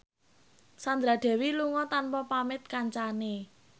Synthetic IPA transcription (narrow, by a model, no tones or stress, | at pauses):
sand̪ɾad̪̥ɛ̤wiluŋɔt̪anpɔpamɪt̪̚kaɲt͡ʃane